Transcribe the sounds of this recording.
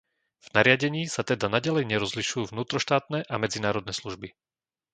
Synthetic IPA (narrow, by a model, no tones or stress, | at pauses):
v̥naɾɪaɟɛɲiːsat̪ɛd̪anaɟalɛjɲɛɾɔzliʃujuːvnuːt̪ɾɔʃt̪aːt̪nɛʔamɛd͡zinaːɾɔd̪nɛːsluʒbi